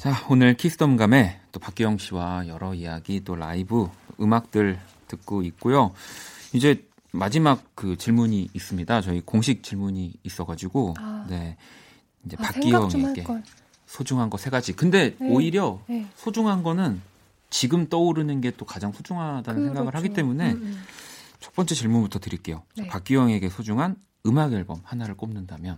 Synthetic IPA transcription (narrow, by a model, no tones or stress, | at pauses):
t͡ɕaonɯɭkʰisʰɯ̥tʰʌmɡame̞t͈opak͈ijʌŋɕʰiwajʌɾʌijaɡit͈oɾa̰ibɯtoɯmak̚t͈ɯɭ | tɯk̚k͈oik̚k͈ojo | id͡ʑe̞ | mad͡ʑimak̚kɯt͡ɕiɭmuɲiːs͈ɯmɲidat͡ɕʌikoŋɕʰik̚t͡ɕ͈iɭmuɲiːs͈ʌɡad͡ʑiɡone̞ | ind͡ʑe̞pakk͈iwʌŋeɡe | sʰod͡ʑuŋɦanɡʌsʰeɡad͡ʑikɯnde̞oiɾjʌsʰod͡ʑuŋɦanɡʌnɯn | t͡ɕiɡɯmt͈ʌuɾɯnɯnɡe̞t͈okad͡ʑaŋsʰod͡ʑuŋɦadanɯnsʰe̞ɡaɡɯɭhaɡit͈e̞mune̞ | t͡ɕʰʌp͈ʌnt͡ɕ͈et͡ɕiɭmunbutʰʌtɯɾik͈e̞jot͡ɕapak͈iwʌŋe̞ɡe̞sʰod͡ʑuŋɦan | ɯmaɡʌɭbʌmhanaɾɯɭk͈omnɯndamjʌn